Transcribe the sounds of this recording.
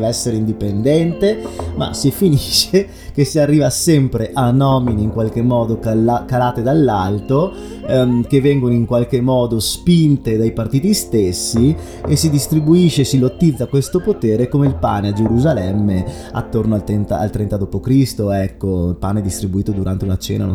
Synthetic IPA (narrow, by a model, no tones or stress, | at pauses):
vɛsːeɾeind̪ipend̪ɛnt̪ema̰sifiniʃːe | k̟esiarːiːvasɛmpɾeʔanɔːminiːŋkwalk̟emːɔːd̪oklakalaːt̪ed̪alːalt̪o | k̟evːɛŋɡonoiŋkwalk̟emːɔːd̪ospint̪ed̪ajpart̪iːt̪ist̪esːi | esːid̪ist̪ɾibuiʃːeːsilot̪ːid̪zːakwest̪opot̪eːɾekomeilpa̰ːnead͡ʒeɾuzalɛmːe | a̰t̪ːornoalt̪ɾɛnt̪a̰a̰lt̪ɾɛnt̪ad̪oːpokɾist̪oɛkːoilpaneɛd̪ist̪ɾibuiːt̪od̪uɾa̰nt̪eunat͡ʃɛ̰ːna̰no̰